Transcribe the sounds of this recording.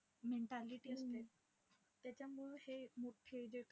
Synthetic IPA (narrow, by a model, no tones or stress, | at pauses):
meɳʈaliʈiəst̪e | t̪jat͡ɕamuɭhemuʈpʰed͡ʑek